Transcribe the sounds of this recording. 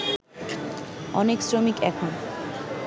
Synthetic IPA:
ɔneksɾomikɛkʰon

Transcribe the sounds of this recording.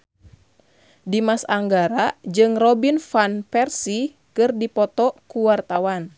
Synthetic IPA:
dimasaŋɡaɾad͡ʒɨŋrɔbinfanpɛrsi | kɨrdipɔt̪ɔkuwart̪awan

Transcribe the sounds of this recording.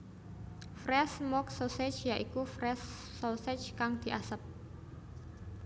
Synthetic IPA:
frɛsmɔk̚soset͡ʃjaʔikufɾɛsː | osɛt͡ʃkaŋd̪̥i̤ʔasəp̚

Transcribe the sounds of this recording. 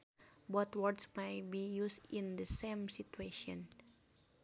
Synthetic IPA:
bɔt̪wɔrdsmajt̚bijusĩndəsẽmsit̪ueʃɔ̰̃n

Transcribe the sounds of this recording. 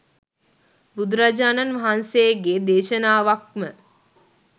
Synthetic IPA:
bud̪ɾad͡ʒaːnanʋaɦansejɡed̪eːʃənaːʋak̚mə

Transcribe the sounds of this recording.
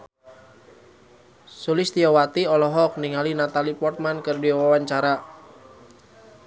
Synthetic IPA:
sulist̪iɔwat̪iɔlɔɦɔk̚niŋalinat̪alipɔrt̪̚mankɨrdiawawaɲt͡ʃaɾa

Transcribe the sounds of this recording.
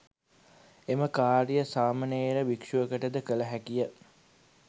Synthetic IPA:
eməkaːɾijəsaːmɐneeɾəʋikʂuəkəʈəd̪əkələɦækijə

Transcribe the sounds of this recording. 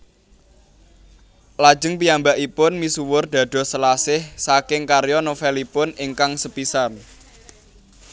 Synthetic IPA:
lḁd͡ʒə̤ŋpijambaʔipʊnmisuwʊrd̪̥a̤d̪̥ɔ̤səlasɪhsakɪŋkarjɔnofɛlipʊnɪŋkaŋsəpisan

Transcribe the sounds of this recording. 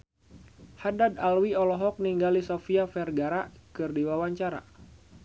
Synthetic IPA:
hadadalwiɔlɔɦɔk̚niŋɡalisofiafɛrɡaɾakɨrdiwawaɲt͡ʃaɾa̰

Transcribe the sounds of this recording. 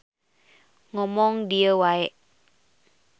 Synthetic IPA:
ŋɔmɔŋdiəwaɛʔ

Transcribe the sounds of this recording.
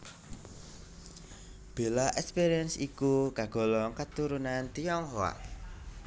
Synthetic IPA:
b̥e̤laʔɛkspiɾiənsikukaɡ̥ɔ̤lɔŋkət̪uɾunant̪ijɔŋɦowa̰ʔ

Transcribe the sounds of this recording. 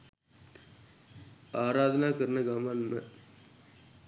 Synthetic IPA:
aːɾaːd̪ɐnaːkɐɾnɐɡaːmanmɐ

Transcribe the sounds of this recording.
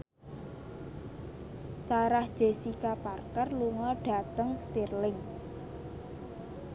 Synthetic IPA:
saɾahd̥ʒ̥e̤sikaparkərluŋɔɖ̥ä̤t̪əŋst̪irlɪŋ

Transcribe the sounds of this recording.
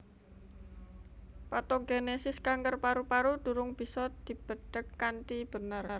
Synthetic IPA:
pat̪ɔɡenesɪskaŋkərpaɾupaɾud̪̥ṳɾʊŋb̥i̤sɔd̪̥i̤b̥ə̤ɖ̥əkːant̪ib̥ə̤nərr

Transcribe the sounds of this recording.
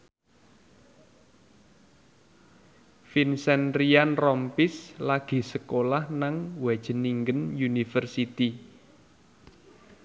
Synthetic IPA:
finsɛnrianrɔmpɪslaɡ̥i̤səkolahnaŋwɛ̥ʒ̥ə̤niŋɡənjunifərsit̪i

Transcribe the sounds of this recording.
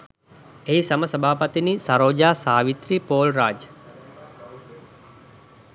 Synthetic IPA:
eisaməsəbʱaːpət̪inisaɾoːd͡ʒaːsaːʋit̪ɾiːpoːlraːd͡ʒə

